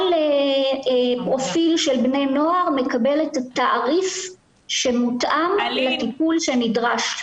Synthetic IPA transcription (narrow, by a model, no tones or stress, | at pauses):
le | pʁo̞filʃe̞lbne̞jno̞aʁme̞kabe̞letataʔaʁif | ʃe̞mutʔamlat̪ipulʃe̞nidʁaʃ